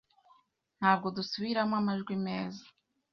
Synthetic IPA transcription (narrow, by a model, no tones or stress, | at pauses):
n̥haːb̚ɡo̞dusuβiɾamwamaʒɡwimeːzḁ